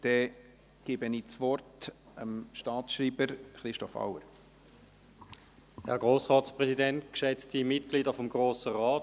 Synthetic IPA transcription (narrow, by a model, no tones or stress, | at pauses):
d̥ɛ | ɡ̥ɪːbəniːt͡svɔrt | əmʃtɑːsʃɾiːbəɾχɾɪʃtɔfa̰wəɾ | hɛ̰ɐɡʁoːsʁɑːtspʁɛsidɛntkʃɛt͡stimɪtɡ̥liːdəfɔmɡʁoːsəʁaːt